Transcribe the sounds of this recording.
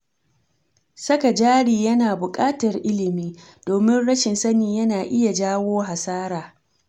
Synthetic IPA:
sɐ˦ka˨d͡ʒaː˦ɽiː˨jɐ˦naː˨bʊ˨kʼaː˦tɐ˨rʔɪ˦lɪ˨miː˦ | d̥oː˨mɪ˦nɽɐ˦ʃɪ˨nsɐ˦niː˨jɐ˦naː˨ʔɪ˦ja˨d͡ʒaː˦woː˦ɦa˨saː˦ɾaː˨

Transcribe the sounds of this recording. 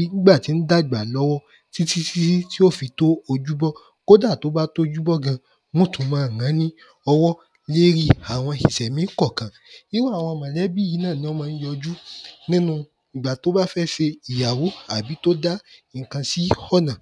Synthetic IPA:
i˨˦nĩ˦ɡ͡ba˦˨ti˨˦n̩˦da˦i˦˨ɡ͡ba˨lɔ˦wɔ˦ | ti˦si˦si˦si˦ti˦o˦˨fi˧to˦o˧d͡ʒu˦bɔ˦ | ko˦da˦˨to˨˦ba˦to˦˧˦d͡ʒu˦bɔ˦ɡã˧ | mõ˦tʰũ˨mãː˨˦˨ã˨˦nĩ˦ | ɔ˧wɔ˦ | le˦ɾi˦a˨w̃ɔ̃˧ʃi˨sɛ˨mĩ˨˦kɔ˦˨kã˨ | i˦wa˦˨w̃ɔ̃˧mã˨˧˦lɛ˦bi˦˨ji˨˦nãː˦˨nĩ˦ɔ˦mã˧n̩˦jɔ˧d͡ʒu˦nĩ˦nũ˧ | i˨ɡ͡ba˨to˨˦ba˦fɛ˦ʃe˧i˨ja˨wo˨˦a˦˨bi˨˦to˦da˦i˨kã˧si˦hɔ˦˨nã˨

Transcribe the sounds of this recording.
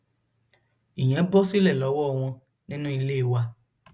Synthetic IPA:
i˨j̃ɛ̃˨˦bɔ˦si˦lɛ˦˨lɔ˨˦wɔ˦ɔ˧w̃ɔ̃˧ | nĩ˦nũ˦i˧le˦˨wa˧

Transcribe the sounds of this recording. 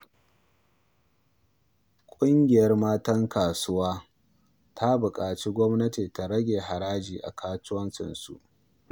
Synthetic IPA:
kʷʼʊ˦ŋɡʲɪ˨jɐ˦rmaː˦tɐ˦ŋkaː˨sʊ˦waː˦ | tʰa˦bʊ˨kʼaː˨t͡ʃiː˦ɡʷɔ˦mnɐ˦tiː˨ta˨ɾɐ˦ɡʲeː˨ɦa˨ɾaː˦d͡ʒiː˨ʔa̰˨kʰaː˦t͡ʃʊ˦wɐ˦nt͡ʃɪ̰˨nsṵ˨ʔ

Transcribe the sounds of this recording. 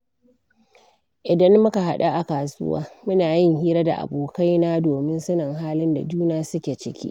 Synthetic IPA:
ʔɪ˨dɐ˦mːʊ˦ka˨ɦa˦ɗa˦ʔa˨kaː˨sʊ̰˦wa̰ː˦mʊ˦naː˨jɪ˦ŋhiː˦ɾa˦da̰˨ʔa̰˨boː˨ka˦jnaː˦doː˨mɪ˦nsɐ˦nɐ˨ŋɦaː˦lɪ˦nda̰˨d͡ʒuː˦naː˦sʊ˦kʲe˨t͡ʃɪ˦kʲḭ˦ʔ

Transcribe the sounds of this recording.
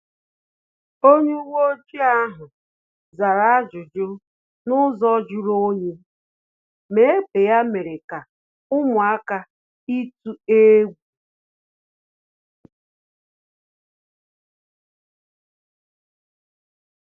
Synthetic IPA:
o˦ɲu˦wo˦d͡ʒi˦a˦ɦʊ˨ | za˨ɾa˦a˦d͡ʒʊ˨d͡ʒʊ˦ | nʊ˦zɔ˦d͡ʒʊ˦ɾo˦ɲe˦ | me˨˦e˦k͡pe˨ja˦me˨ɾe˨ka˨ | ʊ˦mʊ˨a˦ka˦ | i˦tu˦e˦ɡʷu˨

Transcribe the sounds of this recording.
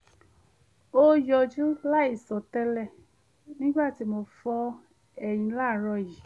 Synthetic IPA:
o˦jɔ˧d͡ʒũ˦la˦i˦˨sɔ˨tɛ˧˦lɛ˧˨ | nĩ˦ɡ͡ba˦˨ti˨˧˦mo˧fɔ˧ | ɛ˨j̃ĩ˧la˦˨ɾɔ˧ji˨

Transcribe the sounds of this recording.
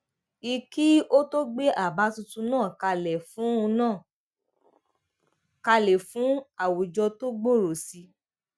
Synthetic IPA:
i˧ki˦o˦to˦ɡ͡be˦ʔa˦˨ba˨˦tu˧tũ˧nãː˦˨ka˧lɛ˨fũ˨˦ũ˧nãː˦˨ | ka˧lɛ˨fũ˨˦a˦˨wo˨d͡ʒɔ˧to˦ɡ͡bo˦˨ɾo˨si˧˦

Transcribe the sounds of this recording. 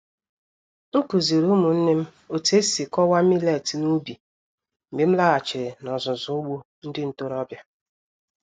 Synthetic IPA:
ŋ̩˦ku˨zi˨ɾu˦mu˨n̩˦ne˦m̩˦ | o˨te˦si˨kɔ˦wa˦mi˦le˨ti˨nu˦bi˨ | m̩˨ɡ͡be˨m̩˦la˦a˨t͡ʃɪ˨ɾɪ˨nɔ˨zʊ˨zʊ˨˦ɡ͡bu˦ | n̩˦dɪ˦n̩˦˨to˦ɾɔ˦bja˦

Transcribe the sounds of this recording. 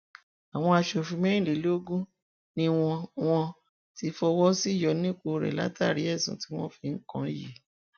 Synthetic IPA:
a˨w̃ɔ̃˧a˧ʃo˨fĩ˧mɛ̃˦ĩ˦˨li˨˦lo˦ɡũ˦ | nĩ˦w̃ɔ̃˧w̃ɔ̃˧ | ti˧fɔ˧wɔ˦si˦˨jɔ˧nĩ˦k͡po˧ɾɛ̰˨la̰˦ta˦˨ɾi˨˦ɛ˦˨sũ˨ti˦w̃ɔ̃˦fi˧ŋ̩˦kã̰˦jḭ˦˨

